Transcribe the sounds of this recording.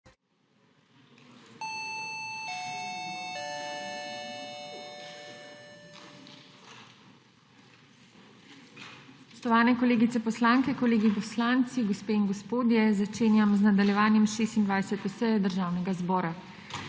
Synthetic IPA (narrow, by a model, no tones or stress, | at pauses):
ɔst̪ɔʋaːnɛkoleːɡit̪sɛpɔslaːŋkɛkoleːɡipɔslaːnt̪siɡospeːinɡospoːd̪jɛzat͡ʃeːnjamznad̪aljɛʋaːnjɛmʃeːst̪ind̪ʋaːjsɛt̪usɛjɛd̪əɾʒaːwnɛɡazbɔːɾa